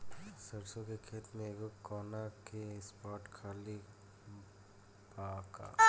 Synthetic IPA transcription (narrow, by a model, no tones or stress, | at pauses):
sɐɾsõkekʰeːt̪mẽːɡokɔːnakespaːʈkʰaːli | baːka̰ː